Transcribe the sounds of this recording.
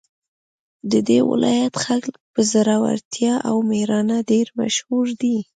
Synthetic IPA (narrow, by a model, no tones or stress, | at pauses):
d̪əd̪ewɪ̰lʔɑ̰jat̪xaklpəzaɾɑwa̰ɾt̪jɑʔawmehɾɑnaɖeɾma̰ʃhuɾd̪i